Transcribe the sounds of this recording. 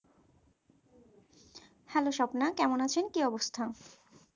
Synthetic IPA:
hɛloʃɔbnakɛmonat͡ɕʰenkiɔbost̪ʰa

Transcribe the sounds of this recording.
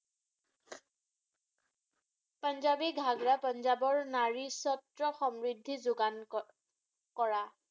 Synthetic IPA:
panzabiɡʱaɡɹapɔnzabɔɹnaɹisɔtɹɔxɔmɹidʱːizʊɡan | kɔɹa

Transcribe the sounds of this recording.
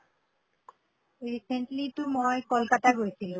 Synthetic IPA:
ɾiseɳʈlit̪umɔekolkat̪aɡojet͡ɕʰilo

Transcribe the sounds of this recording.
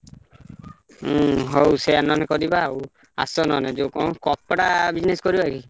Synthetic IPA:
ɦowseanɔnikɔd̪ibaw | a̰sɔnɔned͡ʒokɔw̃kɔpɽabid͡ʒneskɔɾibaki

